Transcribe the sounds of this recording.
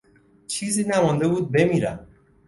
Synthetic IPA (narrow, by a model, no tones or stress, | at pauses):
t͡ʃʰizinæmɔnd̪ebud̪̚bemiɾæm